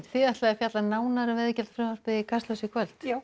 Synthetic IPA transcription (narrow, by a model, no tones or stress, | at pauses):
θɪat̪laɛɾfjat̪lanaːwnaɾʏvɛðcɛlt̪fɾʏːmaɾ̥pɪðɪkʰast̪lœsɪkʰvœl̥t̪